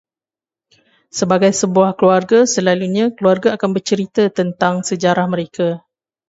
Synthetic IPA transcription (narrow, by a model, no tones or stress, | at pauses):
səbaɡajsəbuahkluarɡasəlaluɲãkəluarɡaːkanbərt͡ʃəɾit̪ət̪ənt̪aŋsəd͡ʒaɾahmə̃ɾeka